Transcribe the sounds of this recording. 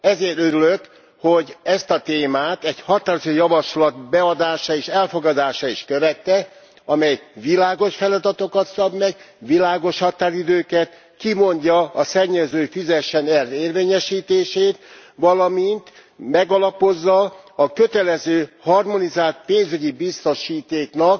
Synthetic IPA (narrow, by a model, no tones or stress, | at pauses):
ɛzeːrt̪øɾyløk | ho̞ɟɛst̪ɒt̪eːmaːt̪ɛɟhɒt̪aːɾozojɒvɒʃlɒt̪bɛɒd̪aːʃaːeːʃɛlfo̞ɡɒd̪aːʃaiʃkøvɛt̪ːɛ | ɒmɛjvilaːɡo̞ʃfɛlɒd̪ɒt̪o̞kɒt̪sɒbmɛɡ | ʋilaːɡo̞ʃhɒt̪aːɾid̪øːkɛt̪ | kimo̞ɲɟɒːsɛɲːɛzøːfyzɛʃɛnɛrːeːrveːɲɛʃiːt̪eːʃeːt̪ʋɒlɒmint̪ | mɛɡɒlɒpo̞zːɒɒkø̞t̪ɛlɛzøːhɒrmo̞nizaːlt̪̚peːnzyɟibist̪o̞ʃiːt̪eːknɒk̚